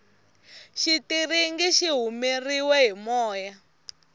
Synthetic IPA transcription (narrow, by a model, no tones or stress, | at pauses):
ʃitiriŋɡiʃiɦumiriwɛɦimɔːja